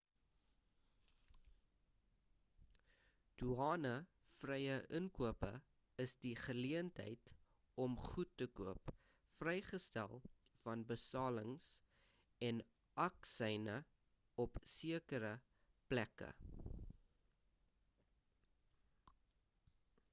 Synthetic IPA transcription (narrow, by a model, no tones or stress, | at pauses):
d̥uɑːnə | frɛjəʔəŋkuəpə̰ | əsdiχəliəntɦə̰jt | ɔmχutːəkuəp | frɛjχəstæ̰lˠ | fɐnbəstɑːləŋs | ɛn | ʔɐksɛjnə | ɔpsiəkəɾə | plækə̰